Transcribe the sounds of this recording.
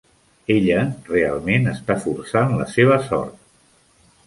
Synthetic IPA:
eʎərea̰lˠmenəst̪afursanlə̰seβ̞əsɔ̰ɾt̪

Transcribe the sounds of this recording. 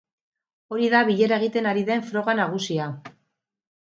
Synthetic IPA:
o̞ɾiðaβiʎe̞ɾae̞ɣ̞it̪e̞naɾiðe̞ɱfɾo̞ɣanaɣ̞usia

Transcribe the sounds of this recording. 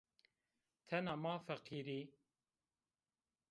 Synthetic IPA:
t̪ʰɛnaːmɑːfɛqʰiːɾi

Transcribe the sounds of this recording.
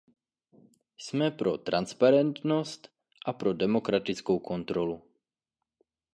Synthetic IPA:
smɛpɾot̪ɾanspaɾɛnt̪nost̪ | ʔapɾodɛmokɾat̪it͡skowkʰont̪ɾɔlu

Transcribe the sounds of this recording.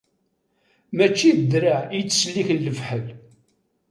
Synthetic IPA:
mæt͡ʃːiəd̪ɾaijt͡sːslːiçlːəvħəl

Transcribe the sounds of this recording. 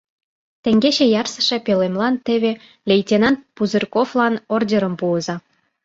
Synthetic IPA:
t̪ĕŋɡet͡ɕejɑrsə̥̆ʃe̽pelemlɑnt̪eβe | lʲejt̪ʲenɑnpuzərkoflɑnordʲeɾə̆mpuəzɑ

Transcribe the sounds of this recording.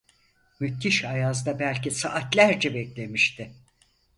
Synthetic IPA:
myt̪ʰːiʃajazd̪abælʲcisaʔːt̪lʲæɾd͡ʒɛbɛklʲe̞miʃt̪ʰɪ

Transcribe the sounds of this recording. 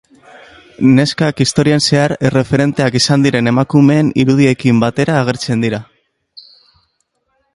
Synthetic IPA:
ne̞skakist̪o̞ɾianse̞aɾere̞fe̞ɾe̞nt̪e̞akisand̪iɾe̞ne̞makume̞ːnḭɾuð̞ie̞kimbat̪e̞ɾaːɣ̞e̞ɾt͡se̞nd̪iɾa

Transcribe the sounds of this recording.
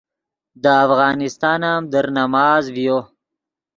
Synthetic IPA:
d̪əafɣɑːnɪst̪ɑːnamd̪əɾnamɑːzvijo

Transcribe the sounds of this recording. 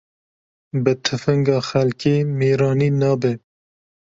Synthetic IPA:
bɨt̪ʰɨfɨŋɡɑːxælkeːmeːɾɑːniːnɑːbe

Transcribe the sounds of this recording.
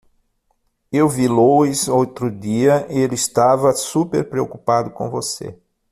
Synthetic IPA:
ewviloizowt̪ɾʊd̪iɐʔɪelɪist̪avɐsupḛɾpɾeokupad̪ʊkõ̰vosḛ

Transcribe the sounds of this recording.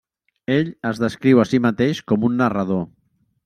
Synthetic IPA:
eʎəzðəskɾiwəsimat̪eʃkɔmunːərað̞o

